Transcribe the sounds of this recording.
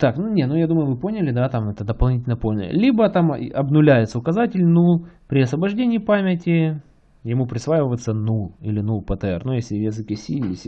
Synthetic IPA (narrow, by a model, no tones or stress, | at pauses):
t̪aknunʲet̪nujad̪uməjʊvɨponʲɪlʲɪd̪at̪amɛt̪əd̪əpɐlˠnʲitʲɪlʲnəponʲɪlʲibət̪amɐbnʊlʲæjɪt̪səʊkɐzatʲɪlʲnulˠpɾʲɪɐsvəbɐʐdʲenʲɪːpamʲɪtʲɪ | jɪmupɾʲɪsvajɪvət̪sənulˠilʲɪnulˠpət̪əɛ̰rnujesʲlʲɪvʲjʲesɨkʲɪsʲilʲɪsʲ